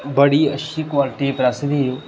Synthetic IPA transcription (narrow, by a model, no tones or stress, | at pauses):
bəɽiːə̰ʃʰikwaːlɪʈiːpɾasɪd̪ijoː